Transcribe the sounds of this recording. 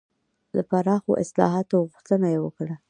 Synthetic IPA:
d̪əpaɾɑxo̰ʔɪslɑ̰ɦɑt̪oɣuxt̪ənajewəkɽa

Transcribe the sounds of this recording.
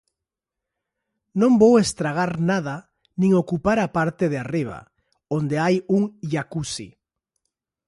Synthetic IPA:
nõmbowest̪ɾaɣ̞aɾnað̞a | nĩŋokupaɾapaɾt̪eðeariβ̞a̰ | ond̪eajuŋʎakusḭ

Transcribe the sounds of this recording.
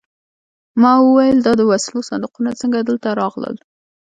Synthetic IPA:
mɑwəwajəld̪ɑd̪əwaslosand̪uqunat͡səŋɡad̪əlt̪aɾɑɣlə̰l

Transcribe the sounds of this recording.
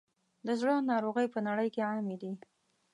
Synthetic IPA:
d̪əzɽənɑɾoɣəjpənaɽəjkeʕamed̪i

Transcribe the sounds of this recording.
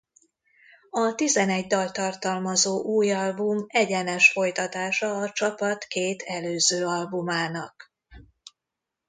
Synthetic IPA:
ɒt̪izɛnɛɟd̪ɒlt̪ɒrt̪ɒlmɒzoːʔuːjɒlbumɛɟɛnɛʃfo̞jt̪ɒt̪aːʃɒːt͡ʃɒpɒt̪keːt̪ʰɛløːzøːɒlbumaːnɒk

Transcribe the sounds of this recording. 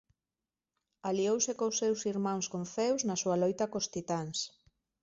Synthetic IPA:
aliowsekosːewsiɾmãŋskoɱfɛwznɐsuɐlojt̪ɐkost̪it̪aŋs

